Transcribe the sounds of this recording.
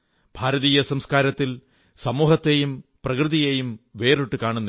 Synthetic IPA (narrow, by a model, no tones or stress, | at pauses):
b̥ʱaːɾɐðiːjɐsɐmskaːɾɐt̪ːil | sɐmuːɦɐt̪ːejumprɐkrɨðijejumʋe̞ːruʈːɨkaːɳunːɐ